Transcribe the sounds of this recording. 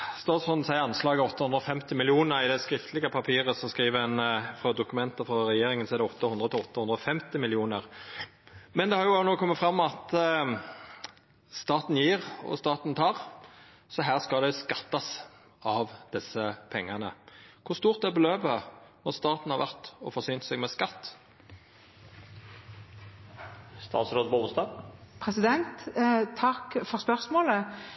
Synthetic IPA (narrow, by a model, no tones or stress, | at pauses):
st̪ɑːt̪sfɔnsæɪəɑnslɑːɡəɔt̪ːɑʉnd̪ɾɔfɛmt̪ɪmɪlɪuːnəɾʁɪd̪ɛskɾɪft̪ʰəlɪɡəpʰɑpʰiːʁəsɔskɾiːʋəɛnfʁɑd̪ʊkʉmɛnt̪əfʁɑɾɛjeːɾɪŋənsɔɛɾd̪ɛɔt̪ʰːəhʊnd̪ʁət̪ʰɪɔt̪ːəhʉnd̪ɾɔfɛmt̪ɪmɪlɪuːnəʁ | mɛnd̪ɛhɑɾjʊnoːkʰɔmːət̪fɾɑmːɑt̪ | st̪ɑːt̪n̩jiːʁɔ̰st̪ɑːt̪nt̪ʰɑːʁ | sɔɦæːʁskɑld̪ɛskɑt̪ːɑs | ɑʋd̪̥ɪsəpʰɛŋːɑnə̰kʰʊst̪uːʁt̪̚d̪ɛæbəløːbənɔʁst̪ɑːt̪n̩hɑʁʋæʁt̪ɔ̰fɔʁsyːnt̪sɛɡmɛskɑt̪ː | st̪ɑ̰ːt̪sɾoːd̪poʊst̪ɑpʰɾɛsɪd̪ɛnt̪t̪ʰɑkːfɔʁspœɾsmoːlə